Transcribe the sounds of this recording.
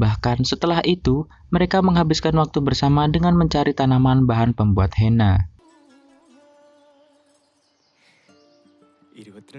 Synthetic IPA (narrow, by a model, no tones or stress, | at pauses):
bahkansət̪əlahit̪u | məɾekaməŋɦabɪskanwak̚t̪ubərsamadəŋanməɲt͡ʃaɾit̪anamanbaɦanpəmbuat̪̚hena